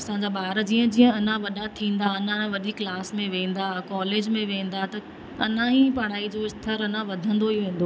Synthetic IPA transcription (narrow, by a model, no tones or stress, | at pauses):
ɐsãɲd͡ʑaːɓaːɾd͡ʑiːə̃d͡ʑĩːə̃ɐnãʋɐɗat̪ʰĩːn̆d̪aɐnãʋɐɗ̪ʱiːklaːsmẽʋẽːn̆d̪akɔːleːd͡ʑmẽʋẽːn̆d̪at̪ɐ | ɐ̰nãɦĩpaːɽ̃aːid͡ʑoɪst̪ʰəɾɐnãʋɐd̪ʱə̃nd̪oiʋẽːn̆d̪oː